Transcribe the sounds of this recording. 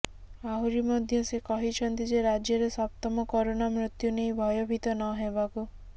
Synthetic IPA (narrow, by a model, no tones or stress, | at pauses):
aɦuɾimɔd̪ʱjɔsekɔɦit͡ʃʰɔnt̪id͡ʒeɾad͡ʒjɔɾesap̚t̪ɔmɔkɔɾonamɾut̪junejbʱɔjɔbʱit̪ɔnɔɦebaku